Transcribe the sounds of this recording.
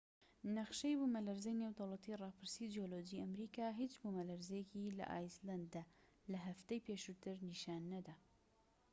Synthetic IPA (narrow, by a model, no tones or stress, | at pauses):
nɐχʃɐjbumɐlɐɾzɐjnewd̪owlˠɑt̪ʰiːrˤɑpʰɨɾsid͡ʒioloːd͡ʒiʔɐmɾikaːɦit͡ʃbumɐlɐɾzejɛkilɐ̰ʔa̰ːjsland̪ːa | lɐɦɐft̪ejpeʃut̪ɨɾniʃaːnːɐd̪aː